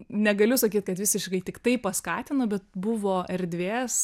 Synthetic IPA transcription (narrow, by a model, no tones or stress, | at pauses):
nʲɛɡɐlʲʊsɐkʲiːt̪̚kɐt̪ʋʲɪsʲɪʃkɐɪt̪ʲɪkt̪ɐɪppɐskɑːt̪ʲɪnobʲɛt̪̚bʊʋoːʔɛɾʲd̪ʲʋʲeːs